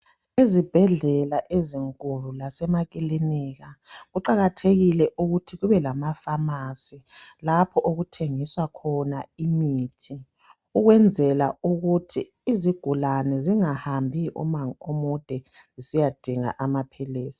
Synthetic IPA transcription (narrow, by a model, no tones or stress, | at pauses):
izib̥ʱɛɮɛlaʔeziŋkʼululasɛmakʼilinɛɣaɣuǃaɣatʰeɣilɛʔuɣutʰiɣuβɛlamafamasilapʰɔʔoɣutʰeŋiswakʰɔnaimitʰi | uɣwɛnd͡zʱɛla̰uɣutʰiːziɡ̥ʱulanɛziŋahambʱiʔṵmaŋomud̥ʱɛzisijad̥ʱiŋa̰ʔamapʰɛleːsi̥